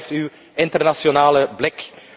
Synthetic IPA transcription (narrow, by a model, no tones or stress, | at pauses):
fty | ɪntərnasjonaːləblɪk